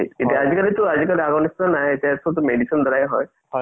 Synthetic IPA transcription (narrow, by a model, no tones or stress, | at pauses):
etijaːzikalit̪ʊazikaliaɡɔnistanaɦɛtasɔtʊmeɖisɔnd̪ɔɾajɦɔj